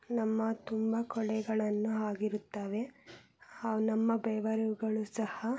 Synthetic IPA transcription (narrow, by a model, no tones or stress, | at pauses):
nɐmːɐt̪umbɐkɔɭɛɡɐɭɐnːuaːɡiɾut̪ːaːʋe̞ | nɐmːɐbɛːʋɐɾuɡɐɭusɐhɐ